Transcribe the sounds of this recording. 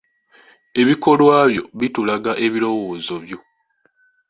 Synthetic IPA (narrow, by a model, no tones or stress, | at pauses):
e̞βiko̞lwaːβjo̞̰βitulaɡaʔe̞βilo̞wo̞ːzo̞βjo̞